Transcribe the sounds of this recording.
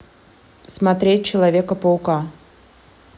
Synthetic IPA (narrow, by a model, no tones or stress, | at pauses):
smɐt̪ɾʲet̚ʲt͡ɕɪlˠɐvʲekəpəʊka